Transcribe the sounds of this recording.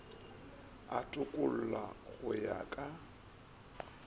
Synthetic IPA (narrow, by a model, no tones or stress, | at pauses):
atʼʊkʼʊl̩laɣʊja̰kʼa